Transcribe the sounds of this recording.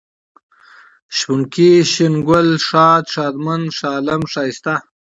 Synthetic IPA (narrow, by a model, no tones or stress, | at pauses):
ʃpuŋkiɕinɡʊlʂɑːd̪ʂɑːd̪manʂɑːlɐmʂɑːist̪a